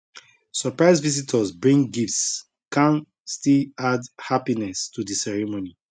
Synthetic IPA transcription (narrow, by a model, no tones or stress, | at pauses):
sɔpɹaɪzvizitʰɔsbɹĩŋɡifts | kãn | stiladhapinɛstudisɛɹɛmoni